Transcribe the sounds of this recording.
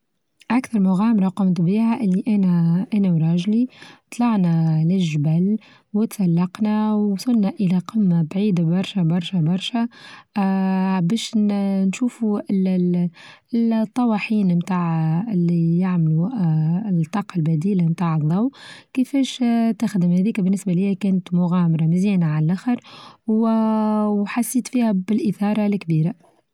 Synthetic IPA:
ʔækθɑɾˤmʊɣæːmɾˤɑqɑmt̪biːhaʔɪlːiʔæːnæʔæːnæwɾˤɑːʒlit̪ˤlɑʕnælɪʒbæl | wɪt̪salːɑqnæwsˤʊlnæʔəlæqəmːabʕiːd̪abɑɾˤʃæbɑɾˤʃæbɑɾˤʃæ | bɛːʃnʃuːfu | t̪ˤːɑwɑħiːnmt̪aːʕɪlːijaʕmlu | t̪ˤːɑːqɑlbæd̪iːlamt̪aːʕɨðˤːɑwkɪfɛːʃt̪axd̪əmhæðiːkbɪnːɪsbalijːækæːnət̪mʊɣæːmɑɾˤɑmɪziːnaʕallʔæxəɾw | wħasːiːt̪fiːhæbɪlʔɪθɑːɾˤɑlkbiːɾa

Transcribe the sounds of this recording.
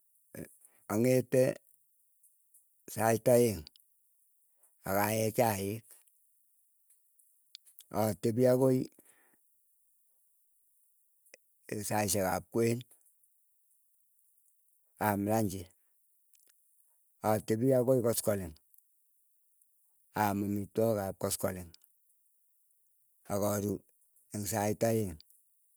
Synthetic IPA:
aŋete | sataeŋ | a̰kajɛt͡ʃajek | a̰tebiakoi | saʃeka̰p̚kwen | amlaɲd͡ʒe | atebiakojikɔskɔleŋ | amumitokap̚kɔskɔleŋ | akɔɾu | eŋsaitajeŋ

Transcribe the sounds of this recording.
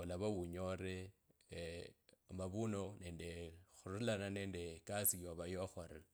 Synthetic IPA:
olaβawuɲoɾe | maβunone̞ːndexurulanane̞ːnde̞kasijoβajoxoɾe

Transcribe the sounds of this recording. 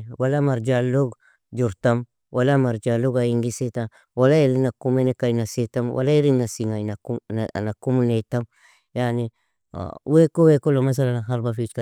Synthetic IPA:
walamaɾd͡ʒaloɡ | d͡ʒuɾtam | walamaɾd͡ʒaloɡajiŋɡisetam | walaelinakumenekajnasetamwʔa̰laiɾinnasiŋajnakṵnakumunetam | janḭ | wekowekolomas̬alanaɦaɾbafit͡ʃka

